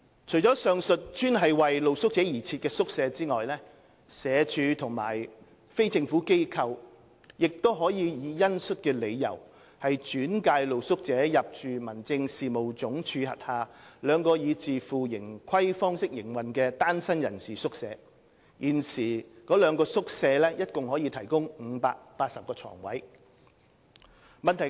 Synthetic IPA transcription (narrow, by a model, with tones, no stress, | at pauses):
t͡ʃʰɵ˨˩jt͡ʃɔː˨˥sœː˨ŋsɵ˨t̚t͡ʃyː˥nɦɐ˨jwɐ˨jlo˨wsʊ˥k̚t͡sɛː˨˥jiː˨˩t͡sʰiː˧t̚kɛː˧sʊ˥k̚sɛː˨˧t͡siː˥ŋɔː˨jlɛː˥ | sɛː˨˧t͡ʃʰyː˨˧t̪ʰʊ˨˩ŋma̰ː˨˩j | fe˥jt͡sɪ˧ŋfuː˨˥ke˥jkʰɐ˧w | jɪ˨k̚t̪o˥wɦɔː˨˥jiː˨˧jiː˨˧jɐ˥nsɵ˥t̚kɛː˧le˨˧jjɐ̰˨˩w | hɐ˨jt͡ʃyː˨˥nkaː˧jlo˨wsʊ˥k̚t͡sɛː˨˥jɐ˨p̚t͡ʃyː˨mɐ˨˩nt͡sɪ˧ŋsiː˨mo˨˩wt͡sʊ˨˥ŋt͡ʃʰyː˨˧hɐ̰˨t̚haː˨lœː˨˧ŋkɔː˧jiː˨˧t͡siː˨fuː˨˩jɪ˨˩ŋkʰɐ˥jfɔː˥ŋsɪ˥k̚jɪ˨˩ŋwɐ˨nkɛː˧t̪aː˥nsɐ˥njɐ˨˩nsiː˨˩sʊ˥k̚sɛː˨˧ | jʔiː˨˩nsiː˨˩kɔː˨˥lœː˨˧ŋkɔː˧sʊ˥k̚sɛː˧lɛː˥jɐ˥t̚kʊ˨ŋhɔː˨˥jiː˧t̪ʰɐ˨˩jkʊ˥ŋŋ̩ː˨˧paː˧k̚paː˧t̚sɐ˨p̚kɔː˧t͡sʰɔ̰ː˨˩ŋwɐ̰˨˥j | mɐ˨nt̪ʰɐ˨˩